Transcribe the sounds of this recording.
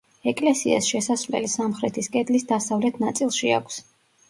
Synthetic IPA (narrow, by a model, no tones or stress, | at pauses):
ɛkʼlɛsḭa̰sʃɛsasvlɛ̰lisamχɾɛt̪ʰiskʼɛd̪lisd̪asavlɛt̪ʰnat̪sʼilˠʃia̰kʷʰs